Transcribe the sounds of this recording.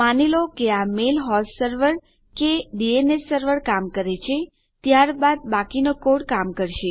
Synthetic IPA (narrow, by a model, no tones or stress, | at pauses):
anelokeamelɦɔssəɾʋəɾ | keɖienesəɾʋəɾkamkəɾet͡ʃʰe | t̪jaɾbad̪̚bakinokoɽkamkəɾʃe